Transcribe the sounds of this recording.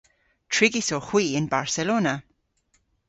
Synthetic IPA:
tʰɹɪɡɪsoxwiːɪnbaɹsɛloːnə

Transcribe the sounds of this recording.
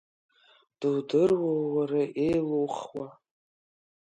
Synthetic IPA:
d̥ɨwdɨrwowwaraʔejlowχwa

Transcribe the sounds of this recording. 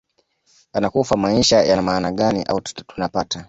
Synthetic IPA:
anakufamaiʃajanamaːnaɠaniʔa̰utunapata

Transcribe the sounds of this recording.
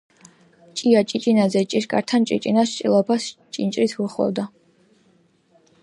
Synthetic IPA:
t͡ʃʼiat͡ʃʼit͡ʃʼinazɛt͡ʃʼiʃkʼa̰ɾt̪ʰant͡ʃʼḭt͡ʃʼinast͡ʃʼḭlˠɔpʰast͡ʃʼint͡ʃʼɾit̪ʰwuχlɔ̰wd̪a

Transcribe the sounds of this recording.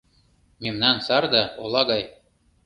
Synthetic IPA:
memnɑnsɑrd̪ɑolˠɑɡɑj

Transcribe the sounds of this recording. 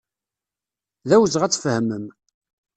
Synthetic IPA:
ðæwəzʁæt͡sːfhəməm

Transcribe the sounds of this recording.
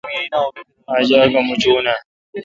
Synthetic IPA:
aad͡ʒaːɡamʊt͡ʃoːnaː

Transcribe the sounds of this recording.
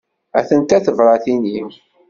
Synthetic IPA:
æ̰θənt̪æθəvɾˤɑθinim

